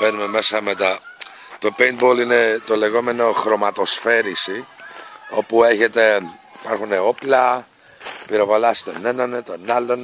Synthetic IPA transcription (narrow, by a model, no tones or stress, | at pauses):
venume̞mesɐmet̪ɐ | t̪o̞pejnboline̞t̪o̞le̞ɣo̞me̞no̞xɾo̞mɐt̪o̞sfe̞ɾisi | o̞pue̞çet̪e̞ | ipɐɾxuneo̞plɐ | piɾovalɐst̪onenɐnet̪o̞nalon